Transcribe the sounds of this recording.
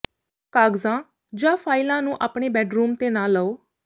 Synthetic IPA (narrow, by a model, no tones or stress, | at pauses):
kaːɡzãː | d͡ʒãːpʰaːɪlãːnũːʔaːpɳeːbɛːɖɾuːmt̪eːnãːləoː